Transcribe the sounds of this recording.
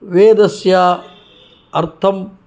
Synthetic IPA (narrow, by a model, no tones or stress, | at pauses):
ʋeːd̪ɐsjaː | ɐɾt̪ʰɐm